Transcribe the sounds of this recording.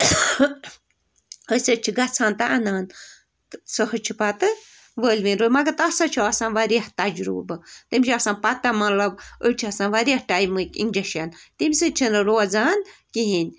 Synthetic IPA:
əsət͡ʃʰiɡɐt͡sʰaːnt̪aʔɐnaːn | səhɨt͡ʃʰipat̪ɨ | ʋəːlʲʋinɾoːmɐɡɐt̪ɐsɐt͡ʃʰiɐsãːnʋɐɾiht̪ɐd͡ʒɾṵːbɨt̪imʲt͡ʃʰiɐsãːnpɐt̪ɐmɐlɐbət͡ʃʰiɐsaːnʋɐɾiɐhʈajmɨkḭnʲd͡ʒɐʃɐnt̪imʲsɨt͡ʃʰinɨɾoːzaːnkiɦinʲ

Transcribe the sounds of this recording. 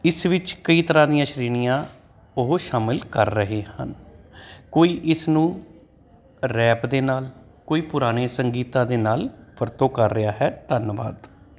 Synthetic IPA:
ɪsʋɪt͡ʃkəiːt̪əɾaːd̪ijãːʃɾiːnɪjãː | ʊɦoʃaːmɪlkəɾːəɦeːhə̰n | koːiːʔɪsnũː | ɾɛːpd̪eːnaːl | koːiːpʊɾaːñeːsəŋɡiːt̪ãːd̪eːnaːlpʰəɾt̪õːkəɾːɪjaːɦɛːt̪ənʋa̰ːd̪

